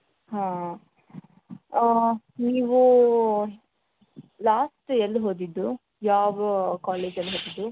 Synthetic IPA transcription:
ɦãː | niːʋu | laːsʈeld̪uɦoːd̪id̪ːu | jaːʋɐkaːleːd͡ʒɐlːiɦoːd̪id̪ːu

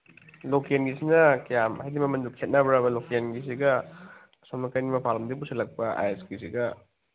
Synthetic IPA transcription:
lokienɡisinɐkɐjamhajdimɐmɐndukʰet̚nɐbɾabɐlokienɡis̬iɡɐ | somnɐkɐjnimɐpʰalɐmdipusɐlːɐk̚pɐa̰jeskisiɡɐ

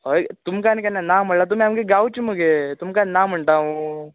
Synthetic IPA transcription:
ojɡt̪umkaːnikɐnːanaːmɐɽlat̪̬umiɐmɡeɡawt͡ʃumuɡet̪umkaːninaːmɐɳʈaːɦũ

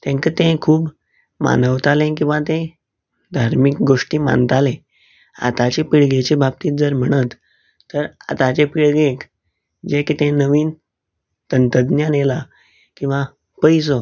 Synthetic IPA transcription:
t̪ɛ̃ŋkət̪ẽkʰuːb | ma̰nəʋt̪alẽk̬ĩw̃ʋat̪ẽ | d̪ʱaɾmik̚ɡoʂʈiːma̰nt̪alẽ | a̰t̪at͡ɕepiɽɡet͡ɕebʱab̚t̪iːt̪̚d͡zəɾm̤əɽ̃ət̪ː | əɾa̰t̪at͡ɕepiɭɡẽk | d͡ʑekit̪ẽnəʋiːn | t̪ənt̪əd̪njanela | kĩw̃ʋa | pəjso

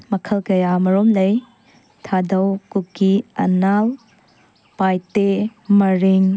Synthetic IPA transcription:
mɐkʰɐlkɐjamɐɾomlɐj | tʰadɐwkukːiɐ̰nal | pajtemɐɾiŋ

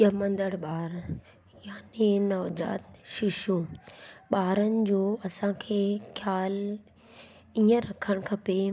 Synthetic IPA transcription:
ɐmɐ̃nd̪əɽɓaːɾ | jaːnenɐʋd͡ʑa̰ːt̪ʃɪʃu | ɓaːɾənɪ̆d͡ʑoːɐsãkʰeːkʰjaːl | iə̃ɾɐkʰəɽ̃kʰɐpe

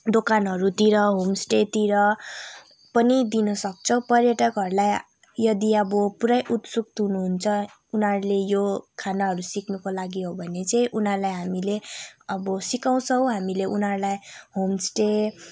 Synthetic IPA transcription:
d̪okanɦʌɾut̪iɾʌɦomsʈet̪iɾʌ | pʌnid̪inʌsʌk̚t͡sʰʌw̃pʌrjʌʈʌkɦʌɾulaj | jʌd̪iʌbʌpuɾajʔut̪suk̚t̪ɦunuɦunt͡sʰʌ | unɦʌɾulejokʰanaɦʌɾusiknukolaɡiɦobʱʌnet͡saĩʔunɦʌrlajɦamileʌbʌsikaw̃t͡sʰʌw̃ɦamileʔunɦʌɾlajɦomsʈe

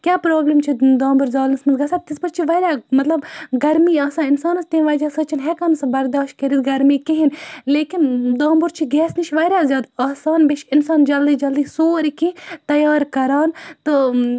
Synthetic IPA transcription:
kʲjaːpɾoːblemt͡ʃʰid̪aːmbʊɾzaːlnsmɐnzɡɐsaːt̪ɪspɐɾt͡ʃʰiʋɐːɾʲjaːmɐt̪lɐbɡɐɾmiːaːsãːɪnsaːnɐst̪eːnʋaːd͡ʒaːsɐt͡ʃʰinɦɛːkanɐsbɐɾd̪aːʃt̚kɐɾit̪ɡɐɾmiːkiɦinleːkɪnd̪aːmbʊɾt͡ʃʰiɡɛːsniʃʰʋɐːɾʲjaːzjaːd̪aːsaːnbiʃɪnsaːnd͡ʒɐld̪iːd͡ʒɐld̪iːsoːɾkit̪ɐjaːɾkɐɾaːnt̪ɐ

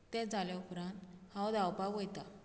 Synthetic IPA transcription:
t̪ɛ̃d͡zaljaupɾãnt̪hãwd̪awpaɡojt̪a

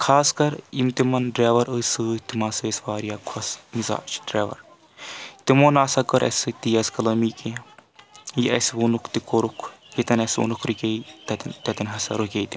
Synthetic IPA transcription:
kʰaːskɐɾimt̪imɐnɖɾeːʋɐɾɨːsɨːt̪imaːsəːsʋaːɾijaːkʰɐsmiza̰ːt͡ʃɖɾeːʋɐ̰ɾ | t̪imoːnaːsɐkɐɾʔɐ̰sɨt̪ijɐskɐlɐmiːke | jiʔɐsʋuːnukʰt̪ikoɾukʰjit̪ɐnɐsṵnukʰɾikʲeit̪ɐt̪t̪ɐt̪ɐnɦɐsɐ̰ɾukʲejt̪i̥

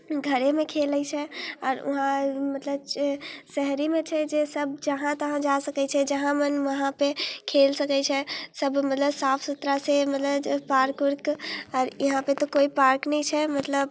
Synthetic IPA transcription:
ɡʱəɾemekʰelət͡ʃʰɛɔːɾṵɦãmət̪ləbsɛɦɾimet͡ʃʰɛd͡ʒesəbd͡ʒəɦãt̪əɦãd͡ʒasəkɛt͡ʃʰɛd͡ʒəɦãmənʋəɦãpekʰelsəkɛt͡ʃʰɛsəbmət̪ləbsapʰsət̪ɾasemət̪ləbpaɾkuɾkɔːɾiɦãpet̪ɔkoipaɾknɛit͡ʃʰɛmət̪ləb

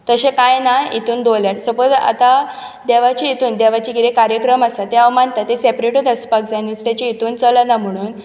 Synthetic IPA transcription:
t̪əɕekajnaḭt̪uːnd̪olaʈsəpət̪a̰t̪a | d̪eʋat͡ɕiit̪uːnd̪eʋat͡ɕiɡiɾekaɾjəkɾəmasat̪eaʋmant̪at̪ːesepɾeʈud̪əspakd͡zajnust̪jat͡ɕiit̪uːnt͡sələnam̤əɽ̃uːn

